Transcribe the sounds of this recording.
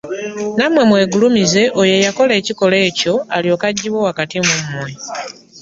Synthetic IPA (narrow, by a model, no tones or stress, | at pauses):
namwe̞mwe̞ːɡulumize̞ʔojejako̞le̞ːciko̞le̞ːco̞aljo̞ːkaɟːiβwowakatimumumwe